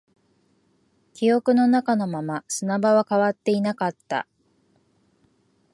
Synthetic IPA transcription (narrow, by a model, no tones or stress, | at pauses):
kʲijo̞kɯ̟no̞nakano̞mamasɨnabaβakaβat̪ːe̞inakat̪ːa̰